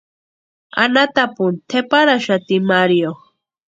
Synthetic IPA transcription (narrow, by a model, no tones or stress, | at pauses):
a̰nat̪apunt̪ʰepaɾaʃat̪imaɾjo